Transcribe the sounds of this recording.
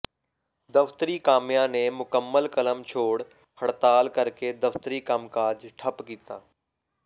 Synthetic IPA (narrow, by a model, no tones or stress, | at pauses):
d̪əft̪əɾiːkaːmijãːnemʊkəmːəlkələmt͡ʃʰoːɽ | həɽt̪aːlkəɾked̪əft̪əɾiːkəmkaːd͡ʒʈʰəpkiːt̪aː